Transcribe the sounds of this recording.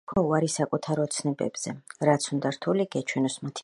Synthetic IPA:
kʰwauaɾisakʼut̪ʰaɾɔt̪sʰnɛbɛ̰bz̥ɛɾat̪sʰund̪aɾt̪ʰuliɡɛt͡ʃʰwɛnɔsmat̪ʰ

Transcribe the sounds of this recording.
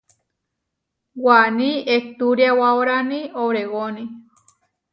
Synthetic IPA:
wanĩet̪uɾjawaoɾanĩowɾewonĩ

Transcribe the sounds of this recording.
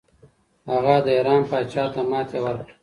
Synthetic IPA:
haɣad̪əeɾɑːmpɑːt͡ʃaːt̪amɑːt̪ʰewəɾk

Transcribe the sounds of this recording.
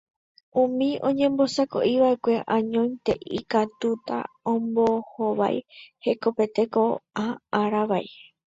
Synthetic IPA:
ũmĩõ̞ɲẽ̞mbo̞sako̞̰ʔiʋaʔe̞kʷe̞ʔãɲõj̪̃t̪e̞ʔikat̪ut̪a̰ | õmbohoβa̰jhe̞ko̞pe̞t̪e̞ko̞ʔaaɾaʋaj

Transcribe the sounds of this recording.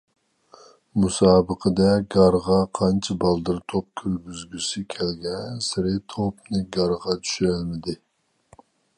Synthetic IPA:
musɑːbəqʰəd̪ɛɡɑɾʁɑqʰɑnt͡ʃʰɪbɑlˠd̪ɨɾt̪ʰop̚kʲʰyɾɡʲyzɡʲysɪkʲʰɛlɡʲɛnsɪɾɪt̪ʰopnɨɡɑɾʁɑt̪ʰy̥ʃyɾælmɪd̪ɪ

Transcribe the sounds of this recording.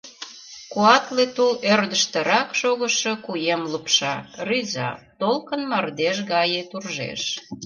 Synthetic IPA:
kuɑt̪let̪ulørd̪əʃt̪ə̆ɾɑkʃoɣəʃɤkujemlupʃɑryzɑ̰t̪olkənmɑrd̪eʃ̬ɣɑjet̪urʒḛʃ

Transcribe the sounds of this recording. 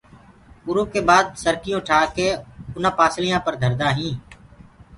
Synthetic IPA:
ʊɾõːkeːbaːd̪̚səɾkɪjõːʈʰaːkeːʊnãːpaːslɪjãːpəɾd̪ʱəɾd̪aːɦĩː

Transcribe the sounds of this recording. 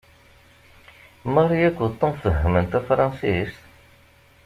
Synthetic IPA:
mərˤjækʷːt̪ˤːəmfəɦːəmənt̪æfɾˤɑ̃nsist̪

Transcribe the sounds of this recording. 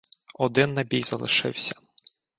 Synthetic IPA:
ɔd̪ɪnːɐbʲijzɐ̰lˠɪ̰ʃɪ̰wsʲɐ̥

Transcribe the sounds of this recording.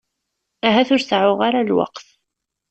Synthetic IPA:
æɦæθʊɾsʕʊʁaɾalwɑ̰qθ

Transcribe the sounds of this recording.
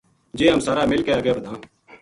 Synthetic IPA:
d͡ʒeːɦəmsaːɾaːmɪlkeːaːɡeːbəd̪ʱãː

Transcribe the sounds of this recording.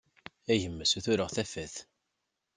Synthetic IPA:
æʝəmːəsuθʊɾəʁθæfæθ

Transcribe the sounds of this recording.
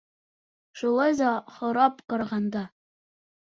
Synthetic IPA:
ʃulˠɑjðɑχɤ̆ɾɑpqɑɾɑʁɑnd̪ɑ

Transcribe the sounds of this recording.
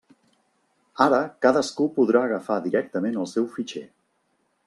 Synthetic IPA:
aɾəkaðəskupuðɾaəɣ̞əfaðiɾɛk̚t̪əmenəlˠsɛwfit͡ʃɛ̰

